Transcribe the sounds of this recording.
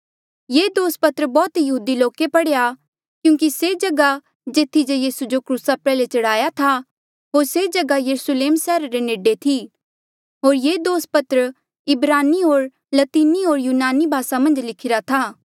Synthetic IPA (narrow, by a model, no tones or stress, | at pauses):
jeːd̪oːspɐt̪ɾəbɔːt̪jɐɦuːd̪iloːkepɐɽeja | kjũːŋkised͡ʒɐɡa | d͡ʒeːt̪ʰːid͡ʒejiːsud͡ʒokɾuːsapɛːlet͡ʃɐɽaːjat̪ʰa | ɦoːɾsed͡ʒɐɡajɐɾusəleːmsɛːɾaɾeneːɖet̪ʰi | ɦoːɾjeːd̪oːspɐt̪ɾə | ɪbɾaːniɦoːɾ | lɐt̪iːniɦoːɾjuːnaːnibʱaːsamɐ̃nd͡ʒlɪkʰɪɾat̪ʰaː